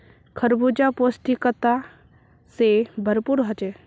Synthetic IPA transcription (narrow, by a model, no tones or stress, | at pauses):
kʰəɾbud͡ʒaposʈikət̪a | sebʱəɾpuɾɦɔt͡ʃe